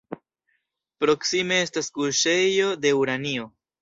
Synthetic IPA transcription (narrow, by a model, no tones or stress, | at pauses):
pɾo̞ksime̞estaskuɾʃe̞jo̞de̞uɾanio̞